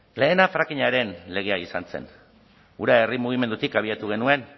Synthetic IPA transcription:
le̞ːnafɾakiɲaɾe̞nle̞ɣ̞e̞aisanse̞̰n | uɾaerimuɣ̞ime̞nd̪ut̪ikaβ̞iat̪uɣ̞e̞nue̞n

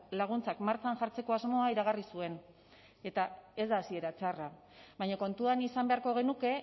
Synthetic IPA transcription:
laɣ̞unt͡sakmaɾt͡ʃanʝaɾt͡se̞ko̞azmo̞aiɾaɣ̞arisue̞n | e̞t̪ae̞zd̪aːsie̞ɾat͡ʃara | βajɲako̞nt̪uanisambe̞aɾko̞ɣ̞e̞nuke̞

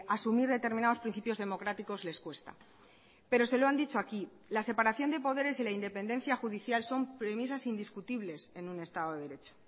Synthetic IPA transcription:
asumiɾðe̞t̪e̞ɾmĩnaðo̞spɾin̟θipjo̞zðe̞mo̞kɾat̪iko̞zle̞skwe̞st̪a̰ | pe̞ɾo̞se̞loand̪it͡ʃo̞aki | lasepaɾaθjo̞nd̪e̞po̞ðe̞ɾe̞silaind̪e̞pe̞nd̪ẽ̞nθjaxuðiθjalso̞mpɾe̞mis̬asind̪iskut̪iβle̞se̞nũne̞st̪aðo̞ðeðe̞ɾe̞t͡ʃo̥

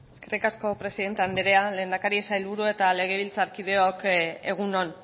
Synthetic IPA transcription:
eske̞rikasko̞pɾe̞siðe̞nt̪eand̪eɾeale̞ːnd̪akaɾiesajlβuɾue̞t̪ale̞ɣ̞e̞βilt͡saɾkið̞e̞oke̞ɣ̞unon

